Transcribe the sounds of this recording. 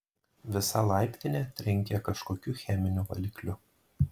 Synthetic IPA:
ʋʲɪsɐlˠɐˑɪpʲt̪ʲɪnʲet̪ʲɾʲɪŋʲkʲɛkɐʃkoːkʲʊxʲɛmʲɪnʲuʋɐ̰lʲɪklʲʊ

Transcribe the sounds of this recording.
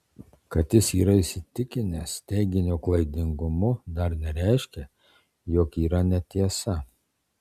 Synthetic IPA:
kɐt̪ʲjʲɪsiːɾɐɪsʲɪt̪ʲɪkʲɪnʲɛst̪ʲɛɪɡʲɪnʲoːklˠɐɪd̪ʲɪŋɡʊmʊd̪ɐɾnʲɛɾʲæˑɪʃʲkʲɛ | joːkiːɾɐnʲɛt̪ʲiɛsɐ

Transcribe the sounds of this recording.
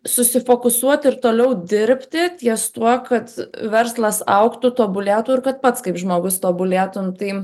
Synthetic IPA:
sʊsʲɪfoːkʊsuɔt̪ʲɪɾt̪oːlʲɛʊd̪ʲɪɾʲpʲt̪ʲɪt̪ʲiɛst̪uɔkɐt̪ʋʲɛrslˠɐsɐʊkt̪ʊt̪oːbʊlʲæːt̪uːɪrkɐt̪̚pɐt̪skɐɪpʒmoːɡʊst̪oːbʊlʲæːt̪ʊmt̪ɐɪ

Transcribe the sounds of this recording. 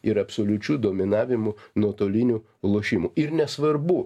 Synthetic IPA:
ɪɾɐpsoːlʲʊt͡ʃʲuːd̪oːmʲɪnɑːʋʲɪmʊnuɔt̪oːlʲɪnʲu | lˠoːʃʲiːmʊɪɾnʲɛsʋɐɾbʊ

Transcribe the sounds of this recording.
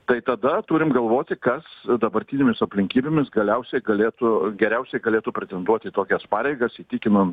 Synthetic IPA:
t̪ɐɪt̪ɐd̪ɐt̪uːɾʲɪmɡɐlˠʋoːt̪ʲɪkɐsd̪ɐbɐɾʲt̪ʲinʲeːmʲɪsɐpʲlʲɪŋʲkʲiːbʲeːmʲɪsɡɐlʲɛʊsʲɛɪɡɐlʲeːt̪ʊɡʲɛɾʲɛʊsʲɛɪɡɐlʲeːt̪upʲɾʲɛt̪ʲɛnd̪uɔt̪ʲiːt̪oːkʲɛspɑːɾʲɛɪɡɐsiːt̪ʲikʲɪnɐn

